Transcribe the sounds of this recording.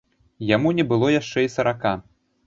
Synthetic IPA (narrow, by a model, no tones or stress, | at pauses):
jamunʲɛbɨlˠɔjaʂt͡ʂɛisɐɾaka